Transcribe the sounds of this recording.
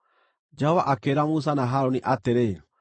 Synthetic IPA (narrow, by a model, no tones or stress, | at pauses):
d͡ʒɛɔvaʔakeɾamus̬anaɦaɾoniʔateɾe